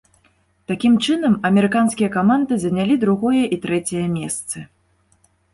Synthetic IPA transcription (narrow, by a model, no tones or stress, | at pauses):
t̪akʲimt͡ʂɨnɐmɐmʲɛɾɨkanskʲijɐkamand̪ɨzɐnʲalʲid̪ɾuɣɔjɐʔit̪ɾɛt͡sʲɛjɐmʲɛst̪sɨ